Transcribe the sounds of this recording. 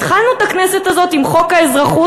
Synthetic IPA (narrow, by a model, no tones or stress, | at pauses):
t̪χalnut̪akneset̪azo̞t̪imχo̞kaezʁaχu